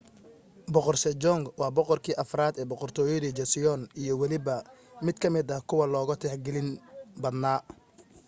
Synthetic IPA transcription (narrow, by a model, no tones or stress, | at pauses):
bɔqɔrsɛd͡ʒɔŋɡwɑːbɔqɔrkʰiːʔɐfɾaːd̪ɛːbɔqɔrt̪ʰɔːjɐðid͡ʒɛsɪjɔnijɔwɑlɪβɐmɪd̪kʰɐmɪd̪ɐkʰʊwɐlɔːɣɐt̪ʰɛħɡɛlɪnbɐd̪naː